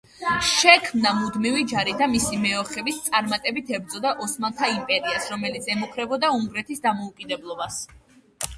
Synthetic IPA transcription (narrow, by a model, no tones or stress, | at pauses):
ʃɛkʰmnamud̪mivid͡ʒaɾid̪amisimɛɔχɛvist̪sʼaɾmat̪ʼɛbit̪ʰɛbɾd̪zʼɔd̪aʔɔsmant̪ʰaimpʼɛɾiasɾɔmɛlit̪sʰɛmukʰɾɛbɔd̪auŋɡɾɛt̪ʰisd̪amɔukʼid̪ɛblˠɔbas